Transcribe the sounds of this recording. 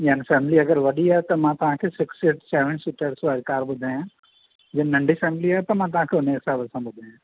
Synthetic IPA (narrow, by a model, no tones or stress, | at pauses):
jaːnifɛːmɪliɐɡəɾʋɐɗiɦɛt̪omãt̪ɐɦãkʰesɪksɪʈsɛːʋənsuʈəɾsʋaːɾkaːɾbʊd̪ʱẽɦãː | d͡ʒenɐ̃ɳɖifɛːmliɦɛt̪omãt̪ɐɦãkʰeʊneːksaːbəsãbʊd̪ʱẽɦãː